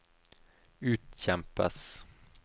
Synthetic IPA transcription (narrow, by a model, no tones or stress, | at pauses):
ʉ̟ːt̪ɕɛmpa̰s